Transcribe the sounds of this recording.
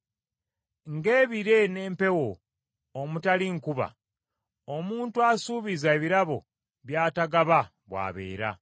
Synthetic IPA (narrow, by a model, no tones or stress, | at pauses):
ŋɡeːβiɾe̞ne̞ːmpe̞wo̞ː | mutaliŋkuβa̰ | omuːntuasuːβizaeβiɾaβo̞ | βjaːtaɡaβa | βwa̰ːβḛːɾa̰